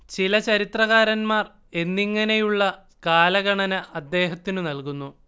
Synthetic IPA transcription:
t͡ɕilɐt͡ɕɐɾit̪rɐɣaːɾɐnmaːr | e̞nːiŋːɐne̞juɭːɐ | kaːlɐɣɐɳɐnɐʔɐd̪ːe̞ːɦɐt̪ːinunɐlkunːu

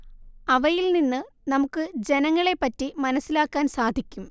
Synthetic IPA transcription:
ɐʋɐjilninːɨ | nɐmukːɨd͡ʑe̞nɐŋːɐɭe̞pːɐtːimɐnɐsːilaːkːaːnsaːd̪ʱikʲːum

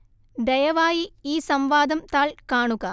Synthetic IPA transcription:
d̪ɐjɐʋaːjiiːsɐmʋaːd̪ɐmt̪aːɭkaːɳuɣɐ

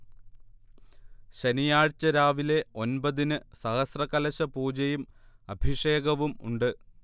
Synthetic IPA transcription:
ɕenijaːɻt͡ɕːɐɾaːʋile̞o̞nbɐðinɨsɐhɐsrɐkɐlɐɕɐpuːd͡ʑɐjumɐbʱiʂe̞ːɡɐʋumṵɳɖɨ

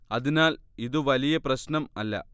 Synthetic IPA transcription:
ɐðinaːliðɨʋɐlijɐprɐɕnɐmɐlːɐ̰

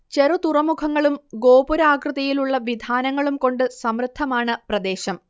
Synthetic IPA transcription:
t͡ɕe̞rut̪urɐmukʰɐŋːɐɭumɡo̞ːbuɾaːkrɨðɐjiluɭːɐʋid̪ʱaːnɐŋːɐɭumko̞ɳɖɨsɐmrɨd̪ʰʱːɐmaːɳɨprɐd̪e̞ːɕɐm

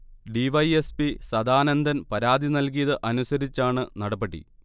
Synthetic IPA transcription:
ɖiʋɐjespisɐd̪aːnɐnd̪ʱɐnpɐɾaːd̪ʱinɐlk̬ijɐðɨʔɐnusɐɾit͡ɕːaːɳɨnɐɽɐpːɐʈːḭ

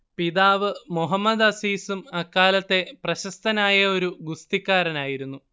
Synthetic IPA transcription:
piðaːʋɨmuɦɐmːɐd̪ɐsiːsumɐkːaːlɐt̪ːe̞prɐɕɐst̪ɐnaːjɐo̞ɾuɡust̪ikːaːɾɐnaːjiɾunːu

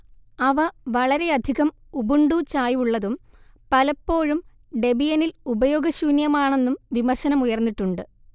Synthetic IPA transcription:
ɐʋɐʋɐɭɐɾe̞ɐd̪ʱiɣɐm | ubuɳɖut͡ɕaːjuɭːɐðum | pɐlɐpːo̞ːɻum | ɖe̞bijɐnilubɐjo̞ːɡɐɕuːnjɐmaːɳe̞nːumʋimɐrɕɐnɐmujɐrnːiʈːuɳɖɨ

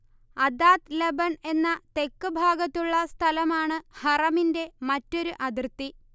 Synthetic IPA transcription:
ɐd̪aːt̪lebɐɳe̞nːɐt̪e̞kːɨbʱaːɡɐt̪ːuɭːɐst̪ʰɐlɐmaːɳɨhɐrɐminde̞mɐtːo̞ɾuʔɐd̪irt̪ːi

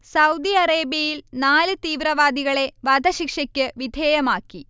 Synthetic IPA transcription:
sɐwd̪iɐɾeːbjɐjilnaːlɨt̪iːʋɾɐʋaːd̪ʱiɣɐɭe̞ʋɐd̪ʱɐʃikʂɐkʲːɨʋid̪ʱeːjɐmaːkːi

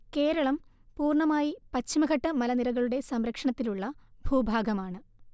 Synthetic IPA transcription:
ke̞ːɾɐɭɐmpuːrɳɐmaːjipɐt͡ɕːimɐɡɐʈːɐmɐlɐniɾɐɣɐɭuɽe̞sɐmɾɐkʂɐɳɐt̪ːiluɭːɐbʱuːbʱaːɡɐmaːɳɨ

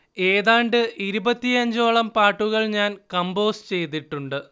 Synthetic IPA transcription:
e̞ːðaːɳɖɨʔiɾubɐt̪ːiɐɲd͡ʑo̞ːɭɐmpaːʈːuɣɐɭɲaːnkɐmbo̞ːst͡ɕe̞jt̪̬ːiʈːuɳɖɨ

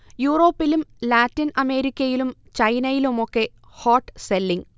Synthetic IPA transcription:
juːro̞ːpːilumlaːtːinɐme̞ːɾikʲːɐjilumt͡ɕɐjnɐjilumo̞kːe̞ | hoːʈːselːiŋɡ

